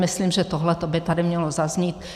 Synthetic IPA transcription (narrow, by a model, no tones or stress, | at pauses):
mɪsliːmʒɛt̪oɦlɛt̪obɪt̪adɪmɲɛlozazɲiːt̪